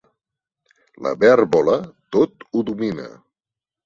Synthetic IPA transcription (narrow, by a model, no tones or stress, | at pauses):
lə̰βɛɾβɔlət̪ot̪uðuminə̰